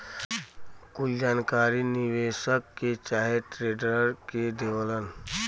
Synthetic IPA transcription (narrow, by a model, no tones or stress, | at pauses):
kʊt͡ʃd͡ʒaːnkaːɾinɪʋeːʃəkːet͡ʃaːɦeʈɾeːɖɾəɾked̪eʋələn